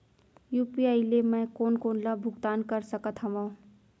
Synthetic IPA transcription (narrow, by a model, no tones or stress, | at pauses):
juːpiaɪlemɛ̃koːnkoːnləbʱʊɡt̪aːnkəɾsəkət̪ɦəmõ